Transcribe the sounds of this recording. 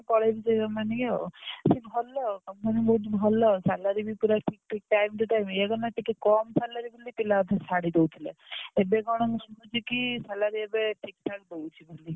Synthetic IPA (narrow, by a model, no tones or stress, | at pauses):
kɔɽajbit͡ʃɔkɔmanikeɔ̰sibʱɔlɔkɔmpanibɔɦut̪bʱɔlɔsalaɾibipuɾaʈʰik̚ʈʰik̚ʈajmt̪uʈajmeɡɔnaʈikekɔmsalaɾibolipilaɔt̪ʰasaɽid̪ewt̪ʰilḛebeɡɔɽ̃ɔŋɡʱɔnkut͡ʃʰikisalaɾiebeʈʰikʈʰak̚d̪owt͡ʃʰiboli